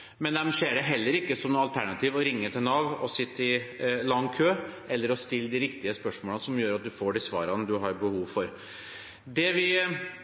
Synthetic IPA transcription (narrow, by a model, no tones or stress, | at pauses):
mɛnd̪ɛmʂeːɖɛɦɛlːəɾɪkːəsɔmnɑlt̪ʰæɳɑt̪ʰiːʋɔɾɪŋːət̪ʰɪlnɑʋɔsɪt̪ːəɪlɑŋːkʰøːʔɛlːəɾɔst̪ɪlːd̪ɪɾɪkt̪ɪəspœʂmoːlsɔmjøːɾɑt̪̚d̪ʉfoːɖɪsʋɑ̰ːɾɑnəd̪ʉɦɑɾbəhuːʋfɔɾ | d̪ɛʋɪ